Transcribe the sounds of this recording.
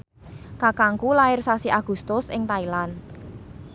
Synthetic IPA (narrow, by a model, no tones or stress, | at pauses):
kakaŋkulaɪrsasiʔaɡ̥ṳst̪ʊsɪŋt̪ailan